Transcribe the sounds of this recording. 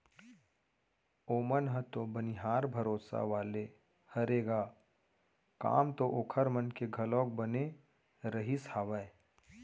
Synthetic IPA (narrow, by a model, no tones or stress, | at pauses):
oːmənɦət̪obəniɦaːɾbʱɐɾoːsa̰ʋaːle | hɐɾeːɡaː | ka̰ːmt̪oʔoːkʰəɾmənkeɡʱɐlɔ̃ːk̚bəne | ɾəɦishaːʋəe